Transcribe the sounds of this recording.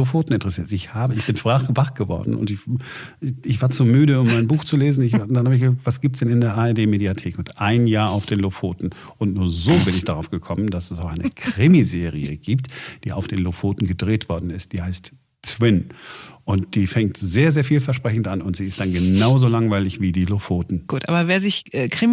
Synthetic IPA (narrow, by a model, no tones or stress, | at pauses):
ofoːtn̩ɪntəʁɛsiːɐtɪçhaːbəɪçb̥ɪnfʁ̥aχvaχɡ̥əvɔ̰ɐdn̩ʔʊ̰ntɪç | ɪçv̥aːɐt͡sumyːɾəʊmːaɪnbuːxt͡suleːzn̩ɪçdanhaːbɪçɡəvaktvasɡ̥iːp̚tsd̥ɛnɪndeːɐʔaːɛɐdeːmeːdiatʰeːkʊntʔaɪnjaːɐaʊfd̥eːnlofoːtn̩ | ʔʊntnuːɐzoːbɪnɪçd̥aʁaʊfɡ̥əkʰɔmənd̥asɛsaʊxʔaɪnəkʁ̥ɪmizeːʁiə̰ɡiːp̚td̥iːʔa̰ʊfd̥eːnlofoːtn̩ɡədʁeːtv̥ɔɐdn̩ɪst̚d̥iːhaɪst | t͡sw̥ɪnʔʊnt̚d̥iːfɛŋtz̥eːɐzeːɐfiːlfɛɐʃpʁ̥ɛçn̩tʔanʊntz̥iːɪst̚d̥anɡənaʊzoːlaŋvaɪlɪçv̥iːdiːlofoːtn̩ɡ̥uːtʔa̰ːbɐveːɐzɪçɛkʁ̥ɪ